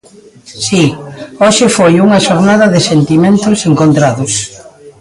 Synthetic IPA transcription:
sioʃɪfojuŋɐʃoɾnaðɐðɪsent̪imẽnt̪ʊseŋkont̪ɾaðʊs

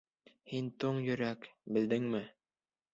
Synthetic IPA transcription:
hint̪oɴjɵ̆ɾækbɘ̆ld̪ɘŋmɘ

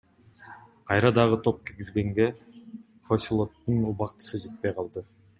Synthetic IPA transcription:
qʰɑjɾɑd̪ɑʁɯt̪ʰo̞p̚kiɾɡizɡe̞ŋɡe̞ | fosʲilˠo̞t̪ːunuβɑqt̪ɯ̥sɯd͡ʒe̞t̪̚pejqʰɑlˠd̪ɯ

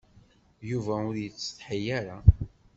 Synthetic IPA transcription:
juvæʊɾjət͡sːə̥θħijæɾa

